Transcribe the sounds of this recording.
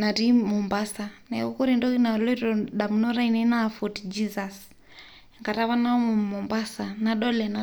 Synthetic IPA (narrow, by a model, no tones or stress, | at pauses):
naɾimumbasanaɔkɔɾindɔinalɔɾɔɗam̩nɔɾainɛnaːfɔtd͡ʒizas | ŋɡaɾaβanaɔmumɔmbasanaɗɔlɛna